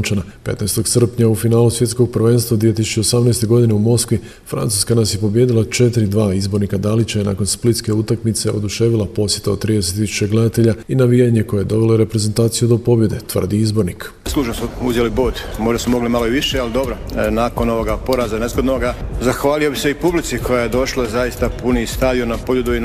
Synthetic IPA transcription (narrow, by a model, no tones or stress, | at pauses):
t͡ʃanape̞̰t̪najst̪o̞ɡ̪sr̩pɲaufinaːlusʋje̞t̪sko̞ɡ̚prʋe̞ːnst̪ʋad̪ʋije̞t̪isut͡ʃeosamnest̪e̞ɡo̞d̪ine̞umo̞skʋi | fɾa̰nt̪uskanasje̞po̞bje̞d̪ilˠat͡ʃe̞t̪iɾid̪ʋaːizbo̞ɾnikad̪alit͡ɕana̰ːko̞nsplit̪ske̞ut̪akmit̪se̞ʔo̞̰d̪uʃe̞ːʋilˠapo̞sje̞t̪aot̪ːɾiːd̪e̞set̪ːisu̥t͡ɕeɡle̞d̪at̪e̞ʎainaʋijaɲe̞ko̞jejed̪o̞ʋe̞loɾe̞pɾe̞ze̞nt̪aːt̪sijud̪o̞po̞bje̞d̪e̞t̪ʋər̩d̪iizbo̞ɾnik | slˠuːʒnosuuzjeliboːt̪mo̞ʒd̪asumo̞ɡlimaloiʋiʃealid̪o̞bɾonaːko̞no̞ʋoɡapo̞ɾaːzanezɡod̪noɡazaxʋaːliobiseipublit̪sikʰo̞jajed̪o̞ʃlˠazaist̪apuniist̪aʋionapoʎud̪ui